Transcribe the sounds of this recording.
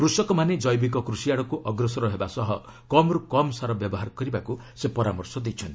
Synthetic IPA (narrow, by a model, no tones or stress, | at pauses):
kɾusɔkɔmaned͡ʒɔjbik̬ɔkɾusiaɽɔkuʔɔɡɾɔsɔɾɔɦebasɔɦɔ | kɔmɔɾukɔmsaɾɔbjɔbɔɦaɾkɔɾibaku | sepɔɾamɔɾsɔd̪ejt͡ʃʰɔnt̪i